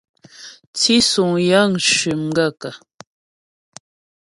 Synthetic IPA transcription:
t͡si˦su˨ŋja˦ŋʃʉ˨m̩˨˦ɡə˦˨ka˨

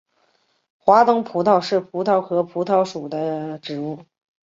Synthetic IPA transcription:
xwa˧˥t̪ɤ˧˥ŋpʰu˧˥t̪ʰɑ˥˩ʊʂɻ̩˥˩pʰu˧˥t̪ʰɑ˥˩ʊxɤ˧˥pʰu˧˥t̪ʰɑ˧˥ʊʂu˨˩d̪ə˦ʈ͡ʂɻ̩˨˩u˥˩

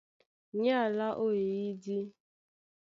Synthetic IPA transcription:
ɲa˦˨la˦ʔo˦e˨ji˦di˦

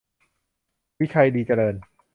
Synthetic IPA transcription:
wi˦˥kʰa˧jdiː˧t͡ɕa˧ɾɤː˧n

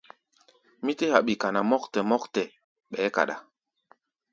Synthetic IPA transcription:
mi˦te˦ha˨ɓi˨ka˨na˨mɔ˦ktɛ˨mɔ˦ktɛ˨ | ɓɛ˨˦ka̰˨ɗa̰˨

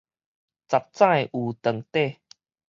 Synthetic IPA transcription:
t͡sa˨˩p̚t͡sã˥˧˨jʔu˨˩t̪ə˨˩ŋt̪e˥˧˨

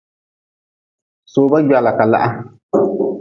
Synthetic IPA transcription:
soː˨ba˦ɡʲwa˨la˨ka˨la̰˦ʔa˦

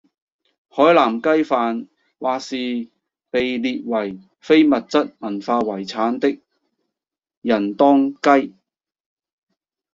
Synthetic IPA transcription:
hɔː˨˥jlaː˨˩mkɐ˥jfaː˨n | waː˨k̚siː˨ | pe˨jliː˨t̚wɐ˨˩j | fe˥jmɐ˨t̚t͡sɐ˥t̚mɐ˨˩nfaː˧wɐ˨˩jt͡sʰaː˨˥nt̪ɪ˥k̚ | jɐ˨˩nt̪ɔː˥ŋkɐ˥j

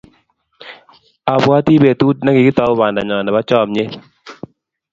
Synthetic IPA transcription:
a˨bwa˦t̪i˦be˨t̪u˦t̚na˦ɡi˨ɡɪ˦t̪ɔ˨˦ba˨nda˨ɲɔ˨nda˨ba˦t͡ʃɔ˦˨mɲe˦

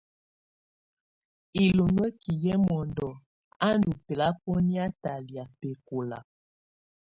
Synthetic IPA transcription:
i˨lo˨nwe˦ki˨jɛ˦mɔ˨ndɔ˨ | a˦ndu˨pe˨la˦pɔ˦ni˦a˦ta˨li˨a˨pe˨ko˨la̰˨

